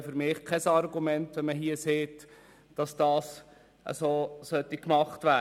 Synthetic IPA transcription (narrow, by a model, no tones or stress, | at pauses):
føɾmɪːχkʰɛsɑɾɡumɛntʋɛnməɦiəseːt | d̥ɑsd̥ɑːs | ʔə̰soːsœtikmɑχtvʋæ